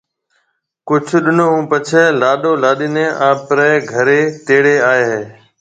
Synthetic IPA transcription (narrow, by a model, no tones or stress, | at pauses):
kʊd͡ʒʱɗɪnoːɦũːpət͡ʃʰeːlaːɗoːlaːɗɪnẽːʔaːpɾəːɡʱəɾeːt̪eːɽeːaːeːɦeː